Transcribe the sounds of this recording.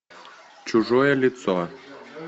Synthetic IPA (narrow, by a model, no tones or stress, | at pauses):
t͡ɕuʒojəlʲit̪t͡so